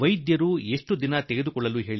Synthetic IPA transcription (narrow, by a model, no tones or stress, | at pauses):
ʋɐjd̪jɐɾuːe̞ʂʈud̪inɐt̪eɡed̪ukɔɭːɐluːɦe̞ːɭi